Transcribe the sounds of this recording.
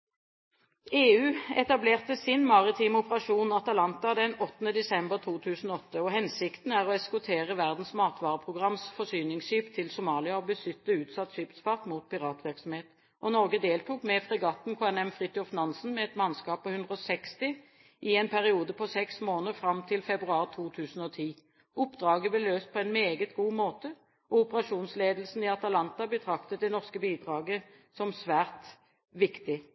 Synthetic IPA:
eːʉːɛt̪ɑbleːʁt̪əsɪnmɑʁɪt̪ʰiːmɔpəʁɑʃuːnɑt̪ɑlɑnt̪ɑd̪ɛnɔt̪ːnəd̪ɛsɛmbəʁt̪ʰuːt̪ʰʉːsn̩ɔɔt̪ːəɔɦɛnsɪkt̪n̩æʁɔɛskʊt̪ʰeːʁəʋæʁd̪n̩smɑːt̪ʋɑːʁəpʰʁʊɡʁɑmsfɔsyːnɪŋsʃyːpt̪ʰɪlsʊmɑːlɪɑɔbəsʏt̪ːəʉːt̪sɑt̪ːʃyːp̪sfɑʁt̪muːt̪pɪʁɑːt̪ʋɪʁksɔmheːt̪ | ʔɔnɔʁɡəd̪eːlt̪uːkmɛfʁɛɡɑːt̪nkʰoːɛnɛmfʁɪt̪ɔfnɑnsn̩mɛɛt̪mɑnskɑːpːɔhʉnd̪ʁəɔsɛkst̪ɪ | ʔɪɛnpʰæʁɪuːd̪əpʰɔsɛksmoːnəʁfʁɑmt̪ʰɪlfɛbʁʉɑːʁt̪ʰuːt̪ʰʉːsn̩ɔt̪ʰiː | ʊpːd̪ʁɑːɡəblɛløːst̪̚pʰɔɛnmeːɡət̪ɡuːmoːt̪ə | ʔɔʊpəʁɑʃuːnsleːd̪l̩sn̩ɪɑt̪ɑlɑnt̪ɑbət̪ʰʁɑkt̪ət̪̚d̪ɛnɔʁskəbiːd̪ʁɑːɡə | sɔmsʋæːʁt̪ | ʋɪkt̪ɪ

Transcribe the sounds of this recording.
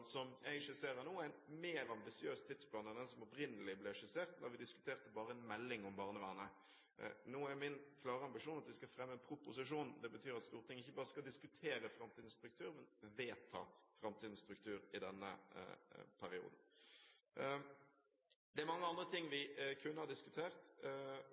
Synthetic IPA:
sɔmjæ̰ɪʃəseːɾənuːæɪt̪meːɾɑmbɪsɪøːst̪ʰːɪd̪spʰlɑːnɛnd̪ɛnsɔmɔpɾɪnːəlɪblɛʂəseːʁt̪d̪ɑɾʋɪd̪ɪskʉt̪ʰeːʁt̪əbɑːɾəɛnmɛlːɪŋɔmbɑːʁnəʋæːnə̰ | nuːæɾmɪnkʰlɑːʁəɑmbɪʂuːnɑt̪ʋɪskɑfɾɛmːənpʰɾʊpʊsɪʂuːnd̪ɛbət̪ʰyːɾɑt̪st̪uːɾət̪ʰɪŋːɪçːəbɑːʁəskɑld̪ɪskʉt̪ʰeːɾəfɾɑmt̪ʰiːd̪n̩st̪ɾʉk̚t̪ʰʉːɾmɛnʋeːt̪ʰɑ̰ːfɾɑmt̪ʰiːd̪n̩st̪ɾʉk̚t̪ʰʉːɾɪd̪ɛnːə̰ | pʰæɾɪṵːd̪n̩ | d̪ɛæɾmɑŋːəɑnd̪ʁət̪ʰɪŋːʋɪkʰʉnːəhɑd̪ɪskʉt̪ʰeːʁt̪

